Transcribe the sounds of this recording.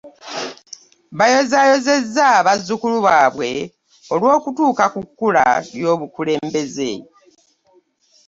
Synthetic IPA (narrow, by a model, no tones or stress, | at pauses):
βajo̞zajo̞ze̞zːaβazːukuluβaːβwe̞ | o̞lwo̞ːkutuːkakukːula̰ljo̞ːβukule̞ːmbe̞ze̞